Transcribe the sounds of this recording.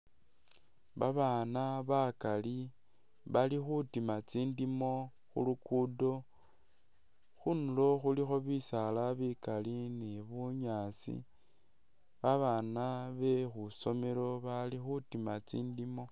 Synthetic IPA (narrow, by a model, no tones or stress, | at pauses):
βaβaːnaβakali | βalixutimat͡siːndimo̞ | xṵlukudo̞ | xunulo̞xulixo̞βisalaβikalinieβuɲaːt͡sḭ | βaβaːnaβe̞xuso̞meɾo̞βalixutimat͡sḭːndimo̞